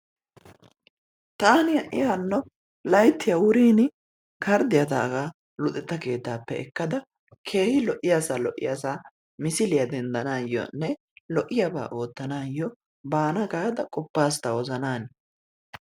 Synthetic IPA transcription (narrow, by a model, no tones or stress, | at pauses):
t̪aːnɪjɐʔɪjanːɔ | lɐjt̪ːɪjɐwʊɾiːnɪ | kʰɐɾd̪ɪjɐd̪a̰ːɡaː | lʊt̪ʼːɛt̪ːɐke̞ːt̪ːaːpːɛɛkːɐd̪ɐ | kʰe̞ːhɪlɔʔɪjasaːlɔʔːɪ̰jasaː | mɪsɪlɪjɐd̪ɛnd̪ɐnaːjːɔ̰nːɛ | lɔʔɪjɐba̰ːʔo̞ːt̪ːɐnaːjːɔ | baːnɐɡaːd̪ɐkʼɔpːaːs̬t̪ɐwɔzɐnaːn